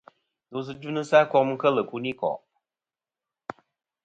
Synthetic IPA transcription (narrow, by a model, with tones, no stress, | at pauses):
nu˨s̬ɨ˦d͡ʒu˦nɨ˦sa˦kɔ˦kmɨ˦kə˦lɨ˨ku˦ni˦kɔ̰˨